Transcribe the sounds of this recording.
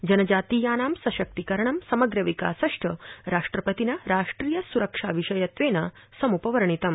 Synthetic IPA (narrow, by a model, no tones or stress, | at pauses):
d͡ʒɐnɐd͡ʒaːt̪iːjaːnaːmsɐʃɐk̚t̪ikɐɾɐɳɐmsɐmɐɡɾɐʋika̰ːsɐʂʈʰɐɾaːʂʈɾɐpɐt̪inaɾaːʂʈɾiːjɐsuɾɐkʂaːʋiʃɐjɐt̪ʋeːna | sɐmupɐʋɐɾɐɳ̃it̪ɐm